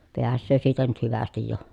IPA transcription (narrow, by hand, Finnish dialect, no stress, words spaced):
peæsːøː siːtæ nyt hyʋæstij jo